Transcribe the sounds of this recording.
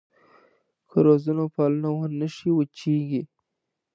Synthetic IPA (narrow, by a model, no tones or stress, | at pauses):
kʰəɾozunopɑlunawənəʃiwət͡ʃiɡi